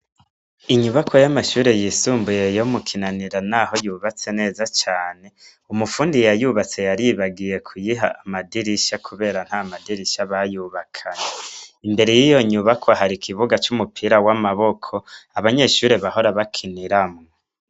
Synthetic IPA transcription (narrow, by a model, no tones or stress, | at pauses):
iɲuβakʰojamaʃuːɾe̞jisuːmbuje̞jomukʰinaniɾanaho̞juːβat͡se̞ne̞ːzat͡ʃaːne̞ | umufuːndijajuβat͡se̞jaɾiβaɡije̞kʰujiɦa̰amadiɾiʃakʰuβe̞ːɾan̥hamadiɾiʃaβajuβakʰaɲeimbe̞ɾe̞jijo̞ɲuβakʰwoɦaɾikʰiβuɡat͡ʃumupʰiɾawamaβo̞kʰo̞aβaɲe̞ʃuːɾe̞βaho̞ɾaβakʰiniɾamŋo